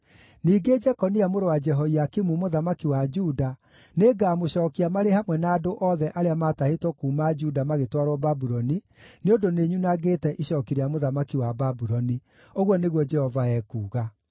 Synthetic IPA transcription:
niːɡed͡ʒɛkɔniamoɾowad͡ʒɛɦɔiakimumoðamakiwad͡ʒuda | neɡamoɕɔːkiamaɾehamwɛnaːdoʔɔðɛʔaɾeamatahetwɔkuːmad͡ʒudamaɣetwaɾwɔbabuɾɔni | neondoneɲunaɣetɛʔiɕɔːkiɾeamoðamakiwababuɾɔni | oɣwɔneɣwɔd͡ʒɛhɔvaɛkuːɣa

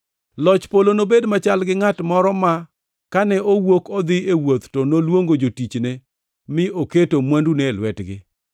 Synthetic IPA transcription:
lɔt͡ʃpolonobedmat͡ʃalɡɪŋatmɔɾɔma | kanɛowokɔd̪ɪewot̪tɔnolwoŋɡod͡ʒotit͡ʃne | mɪoketomwanduneːlwɛtɡɪ̰

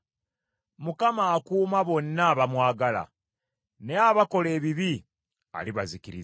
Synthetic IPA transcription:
mukamaːkuːmaβo̞nːaβamwaːɡala̰ | ne̞aβako̞le̞ːβiβi | a̰liβazikiɾi

